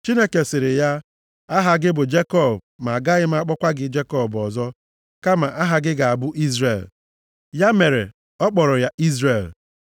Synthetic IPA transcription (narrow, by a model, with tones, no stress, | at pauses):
t͡ʃi˦ne˦ke˨sɪ˨ɾɪ˨ja˦ | a˦ɦa˨ɡɪ˦bʊ˨d͡ʒe˦kɔ˦˨b | ma˨ɡa˦ɣɪ˦ma˦a˦k͡pɔ˦kʷa˦ɡɪ˦d͡ʒe˦kɔ˦bbɔ˨zɔ˦ | ka˦ma˨ʔa˦ɦa˨ɡɪ˦ɡa˨a˨bʊ˦ʔi˦zɾe˨l | ja˦me˨ɾḛ˨ | ɔ˦k͡pɔ˨ɾɔ˨ja˦ʔi˦zɾe˨l